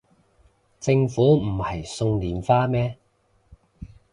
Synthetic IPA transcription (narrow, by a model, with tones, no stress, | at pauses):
t͡sɪ˧ŋfuː˨˥m̩˨˩hɐ˨jsʊ˧ŋliː˨˥mfaː˥mɛː˥